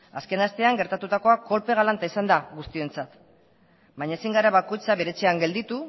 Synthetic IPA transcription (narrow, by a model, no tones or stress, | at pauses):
aske̞nast̪e̞aŋɡe̞ɾt̪at̪ut̪ako̞ako̞lpe̞ɣ̞alant̪aisand̪aɣust̪ie̞nt͡sat̪ | baɲaesiŋɡaɾaβako̞jt͡saβe̞ɾe̞t͡seaŋɡe̞ld̪it̪u